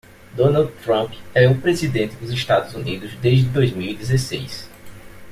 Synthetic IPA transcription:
d̪õnawd̪t̪ɾɐ̃pɛʊpɾezid̪ẽnt̪ɪd̪ʊzɪʃt̪ad̪ʊzunid̪ʊzd̪eʒd͡ʒɪd̪ojzmiwid̪ezesḛjs

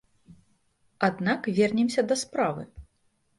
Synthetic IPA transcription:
ad̪nakvʲɛrnʲɛmsʲɐd̪ɐspɾavɨ̰

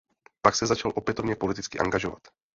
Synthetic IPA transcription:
paksɛzat͡ʃalʔopjɛt̪ovɲɛpo̞lit̪it͡skɪʔa̰ŋɡaʒova̰t̪

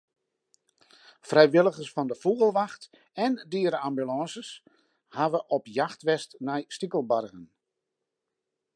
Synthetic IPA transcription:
frɛjʋɪlˠəɣəsfɔndəfuɣəlˠʋaxt | ɛndiːəɾəambylɑ̃ːsəs | haʋəʔɔpjaxtʋɛstnɛjstikəlˠbarɣən

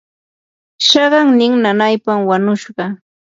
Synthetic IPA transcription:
ʃɑɢɑŋnɪŋnanajpamwaɲʊʃɢɑ

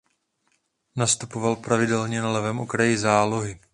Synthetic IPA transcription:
nast̪upo̞valpɾavɪdɛlɲɛnalɛvɛːmʔo̞kɾajɪzaːlo̞ɦɪ

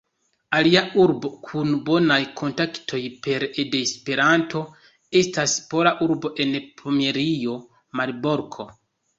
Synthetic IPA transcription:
aliauɾbo̞kʰunbo̞najkʰo̞ntaktʰo̞jpe̞ɾedeːspe̞ɾanto̞ | e̞staspo̞laʔuɾbo̞ʔe̞npʰomeɾio̞ | maɾboɾkʰo̞

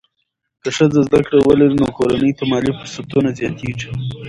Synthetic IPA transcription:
kəʂəzazd̪akɽawəlaɾinokoɾanəjt̪amɑlifʊsat̪unazjɑt̪iʐi

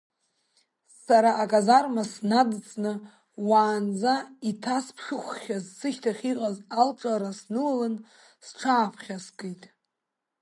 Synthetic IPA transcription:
saɾaʔːkʼazarmasnadɨt͡sʼnɨ | waːnd͡zaitʰaspʰʂɨχʷχʲazsɨʃtʰaχʲiqʼazalʈ͡ʂʼaɾasnɨlalɨn | sʈ͡ʂʰaːpʰχʲaskʼejtʼ

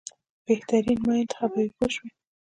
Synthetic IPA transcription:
b̥eht̪aɾinmaɪnt̪xabawipoʃwi

